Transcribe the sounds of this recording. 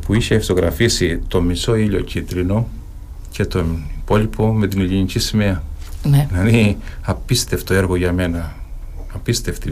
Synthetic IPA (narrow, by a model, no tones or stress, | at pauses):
puiçeft̪o̞ɣɾɐ̰fisit̪o̞miso̞iʎo̞̰cit̪ɾino̞ | ce̞t̪o̞ipo̞lipʰo̞me̞t̪ineʎiɲicisimeɐnenɐðiɐpist̪e̞ft̪oe̞ɾɣo̞ʝɐme̞nɐ | ɐpist̪e̞ft̪i